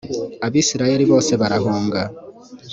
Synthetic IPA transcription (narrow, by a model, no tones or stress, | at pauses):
aβiːsiɾaje̞ɾiβo̞ːse̞βaɾaɦuːŋɡa